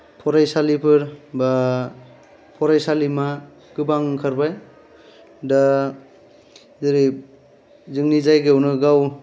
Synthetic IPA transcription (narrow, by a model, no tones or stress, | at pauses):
pʰɔɾajsalipʰɯɾba | pʰɔɾajsalima | ɡɯbaŋkʰaɾbaj | da | zɯɾi | zɯŋnizajɡewnɯɡaw